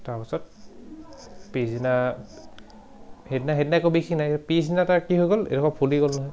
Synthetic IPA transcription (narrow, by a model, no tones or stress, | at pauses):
taɹpisɔt̚ | pizina | hednaɦednakobixʰinajpizinataɹkiɦojɡɔlḛdɔkʰapʰuliɡɔlnɔɦɔj